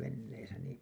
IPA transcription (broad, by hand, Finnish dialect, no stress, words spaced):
ʋenːeisæ niː